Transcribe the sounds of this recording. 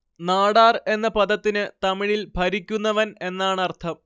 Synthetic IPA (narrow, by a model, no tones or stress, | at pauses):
naːɽaːre̞nːɐpɐd̪ɐt̪ːinɨt̪ɐmiɻilbʱɐɾikʲːunːɐʋɐne̞nːaːɳɐrt̪ʰɐm